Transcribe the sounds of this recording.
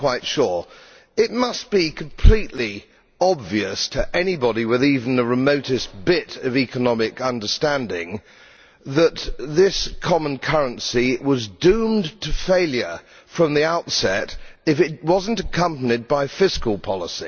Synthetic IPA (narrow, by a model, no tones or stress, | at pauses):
kw̥aɪtʃʊɹ | ɪt̚mʌsb̥ikʰm̩pʰl̥iʔli | ɑbviɨstʰɨʔɛnibɑɾiwɪðivn̩ðɨɹɨmoʊɾɨsb̥ɪɾʌvikənɑmɪkʌ̃ndə˞stæ̃ndɪ̰̃ŋ | ðət̪̚ðɪskʰɑmə̃nkʰʌɹɨ̃nsiwʌzdʉ̃mtʰɨfeɪlˠjə˞ | fɹʌ̃mðiaʊtsɛɾɨfɨt̚wʌzn̩tɨkʰʌ̃mpənid̚baɪfɪskəl̩ˠpʰɑlˠəsi